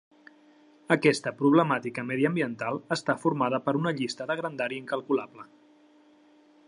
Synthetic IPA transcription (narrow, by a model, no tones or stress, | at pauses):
əkɛst̪əpɾuβ̞ləmat̪ikəmɛðiəmbiənt̪alˠəst̪afuɾmaðəpəɾunəʎist̪əðəɣɾənd̪aɾiiŋkəlˠkulaplə